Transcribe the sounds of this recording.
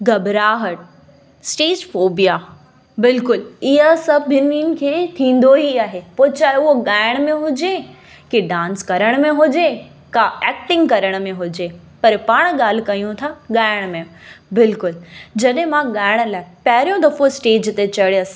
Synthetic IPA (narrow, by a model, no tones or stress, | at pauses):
ɡɐbɾaːɦəʈ̚ | sʈeːd͡ʑfoːbija | bɪlkʊlɪɦəsɐbɪnin̆kʰeːt̪ʰĩːn̆d̪oɦiaːɦepoːt͡ɕaːʊɦoɠaːɪɽ̃mẽɦʊd͡ʑe | kiɖãːnskɐɾəɽ̃mẽɦʊd͡ʑe | kaɛːk̚ʈɪ̃ŋɡkɐɾəɽ̃mẽɦʊd͡ʑe | pɐɾpaːɽ̃ɠaːl̤ɪkɐijũt̪ʰaɠaːɪɽ̃mẽbɪlkʊld͡ʑɐɗɦẽmãɠaːɪɽ̃əlaːɪpɐɦɪɾijõd̪ɐfosʈeːd͡ʑt̪et͡ɕɐɽɐs